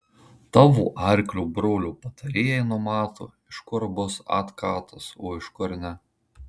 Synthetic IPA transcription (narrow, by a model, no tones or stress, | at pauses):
t̪ɑːʋṵːʔɑˑɾʲklʲuːbɾoːlʲuːpɐt̪ɐɾʲeːjɛɪnʊmɑːt̪o̰ːɪʃkʊɾbʊsɑ̰t̪kɑːt̪ɐsoːɪʃkʊɾnʲɛ